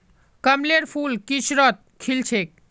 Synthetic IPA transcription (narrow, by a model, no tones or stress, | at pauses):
kəmleɾpʰulkisɾət̪̚kʰilt͡ʃʰek̚